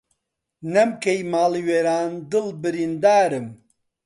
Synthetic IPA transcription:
nɛmkejmaːliweːɾaːnd̪ɨlbɨɾiːnd̪aːɾɨm

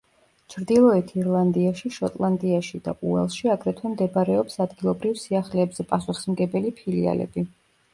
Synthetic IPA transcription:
t͡ʃʰɾd̪ilˠɔɛt̪ʰiɾlˠand̪iaʃiʃɔt̪ʼlˠand̪iaʃid̪a̰ʔuɛ̰lˠʃiaɡɾɛt̪ʰwɛmd̪ɛbaɾɛɔpsad̪ɡilˠɔbɾivsiaχlɛːbz̥ɛpʼasuχi̥smɡɛbɛlipʰilḭa̰lɛ̰bi

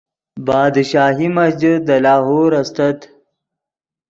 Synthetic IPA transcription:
bɑːd̪ʃaːɦimɐsd͡ʑid̪əlɑːɦoːɾɐst̪ɐt̪

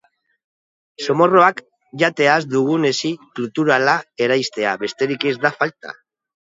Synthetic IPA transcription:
so̞mo̞ro̞ak | ʝat̪e̞azd̪uɣ̞une̞siklut̪uɾalae̞ɾajst̪e̞aβe̞st̪e̞ɾike̞zd̪afalt̪a̰

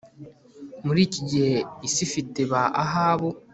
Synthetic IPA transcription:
muɾiːciɟiheisifiteβaaɦaːβo

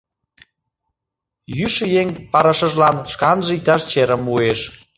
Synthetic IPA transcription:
jyʃəjeŋpɑɾəʃə̆ʒlɑnʃkɑnʒeit̪ɑʃt͡ɕeɾəmueʃ

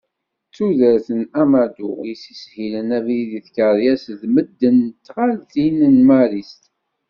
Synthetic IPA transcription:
t͡sːuðəɾθənæmæd̪ujisishilənævðiθkəɾjæsðməd̪ːənt̪ːʁalθinənmæɾist̪

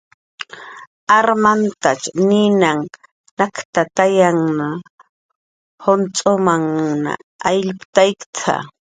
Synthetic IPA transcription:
aɾmant̪at͡ʃnɪnaŋ | nakt̪at̪ajaŋna | hont͡sʼomaŋna̰ːjʎpt̪ajkt͡sʰa̰

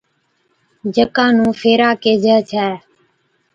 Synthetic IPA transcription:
d͡ʒəkãːnũːfʰeːɾaːkeːd͡ʒʱəːt͡ʃʰɛː

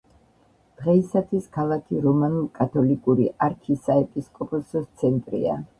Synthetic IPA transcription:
d̪̥ʁɛisat̪ʰwiskʰalˠakʰiɾɔmanulˠkʼat̪ʰɔlikʼuɾiʔaɾkʰisaɛpʼiskʼɔpʼɔsɔst̪sʰɛnt̪ʼɾḭa̰

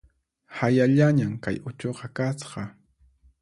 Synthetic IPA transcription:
hajaʎaɲamka̰jʊt͡ʃoqɑkasqɑ

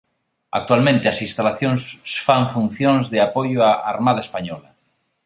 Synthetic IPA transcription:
a̰k̚t̪ualmẽnt̪easĩnst̪alaθjonssfaɱfun̟θjõnzðeapojoaaɾmað̞aespaɲɔla

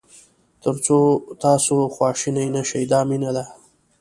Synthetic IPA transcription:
t̪əɾt͡sot̪ɑsoxwɑːʃinajnaʃajd̪ɑminad̪a

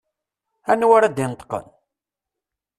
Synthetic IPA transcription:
ænːwaɾæd̪ɪnt̪ːqə̰n

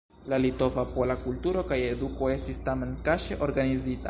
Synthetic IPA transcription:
lalito̞vapolakultuɾo̞kaje̞duko̞e̞stistame̞nkaʃeʔo̞ɾɡanizita̰

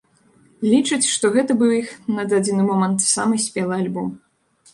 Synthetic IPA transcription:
lʲit͡ʂɨt͡sʲʂt̪ɔɣɛt̪ɐbɨwixnɐd̪ad͡zʲɪnɨmɔmɐnt̪samɨsʲpʲɛlˠɨalʲbɔm

